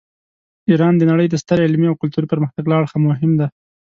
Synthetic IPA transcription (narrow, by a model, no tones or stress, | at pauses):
iɾɑnd̪ənaɽəjd̪əst̪əɾɪlmiawkʊlt̪uɾipəɾməxt̪aɡlɑɽxamʊɦɪmd̪a